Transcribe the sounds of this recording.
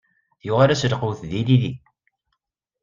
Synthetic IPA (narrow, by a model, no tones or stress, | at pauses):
jʊʁaɾæslquwθðiliði